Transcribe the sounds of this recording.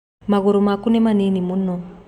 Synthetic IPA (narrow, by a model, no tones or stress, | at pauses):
maɣoɾomakunemaninimuno